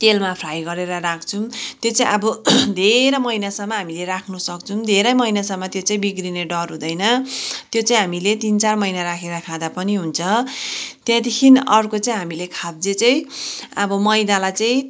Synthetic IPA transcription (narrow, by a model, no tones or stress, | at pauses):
t̪elmapʰrajɡʌɾeɾʌɾakʰt͡sʰumt̪jot͡saĩʔʌbʌd̪ʱeɾʌmʌjnasʌmːʌɦamileɾakʰnusʌkt͡sʰum̃d̪ʱeɾʌjmʌinasʌmːʌt̪jot͡saĩbiɡrineɖʌrɦũd̪ʌjnʌt̪jot͡saĩɦamilet̪int͡sarmʌjnaɾakʰeɾʌkʰad̪apʌniɦunt͡sʰʌ | t̪jãt̪ikʰinʌrkot͡saĩɦamilekʰab̚d͡zet͡saĩʌbʌmʌjnalajt͡saĩ